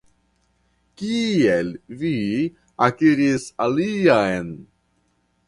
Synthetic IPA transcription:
kielvi | akiɾisaliajn

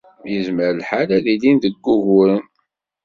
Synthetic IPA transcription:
jəzməɾəlħalæðilinðəɡːuʝʊɾən

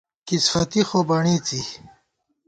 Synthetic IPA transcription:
kisfɐt̪ixoːbɐɳiːt͡si

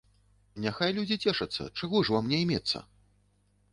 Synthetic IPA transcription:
nʲaxajlʲud͡zʲit͡sʲɛʂɐt̪sːɐ̰t͡ʂaɣɔʐvamnʲɛjmʲɛt̪sːɐ̰

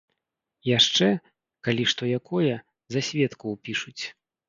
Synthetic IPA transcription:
jaʂt͡ʂɛ | kalʲiʂt̪ɔjakʰɔjɐ | zasʲvʲɛt̪kuwpʲiʂut͡sʲ

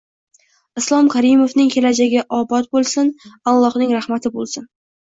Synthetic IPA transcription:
ɪslˠɒmkʰaɾɪmofnɪŋkʲʰe̞lad͡ʒaɡʲɪʔɒbɒt̪̚bolˠsɪnalˠːɒhnɪŋɾahmat̪ʰɪbolˠsɪn

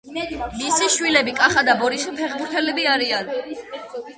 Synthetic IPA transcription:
mmisiʃwilɛbikʼaχad̪abɔɾisipʰɛχbuɾt̪ʰɛlɛbiaɾian

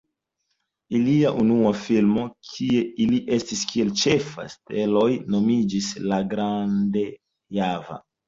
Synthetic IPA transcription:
iliaʔunuafilmo̞kʰie̞iliʔe̞stiskie̞lt͡ʃe̞fa̰stelo̞jno̞mid͡ʒislaɡɾande | java̰

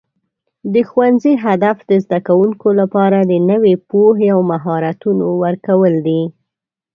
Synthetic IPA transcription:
d̪əxwanziɦad̪afd̪əzd̪akawuŋkolapɑɾad̪ənəwepoɦeawmaɦɑɾat̪unowəɾkawəld̪i

